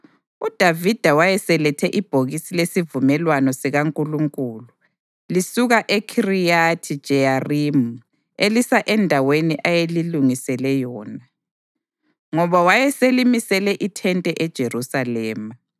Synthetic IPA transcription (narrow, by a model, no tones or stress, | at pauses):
ud̥ʱavid̥ʱawajɛsɛlɛtʰɛʔib̥ʱoɣisilesivumɛlwanɔsɛɣaŋkʼuluŋkʼuːlu | lisuɣaʔekʰirijatʰid̥ʒ̥ʱɛjarimu | elisaʔɛndʱaweniʔajeliluŋisɛlɛjɔːna | ŋɔβawajɛselimisɛlɛʔitʰɛntʼɛʔɛd̥ʒ̥ʱerusalɛːma